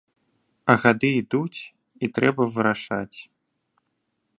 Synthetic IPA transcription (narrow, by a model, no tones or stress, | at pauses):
ɐɣad̪ɨid̪ut͡sʲ | it̪ɾɛbɐvɨɾaʂat͡sʲ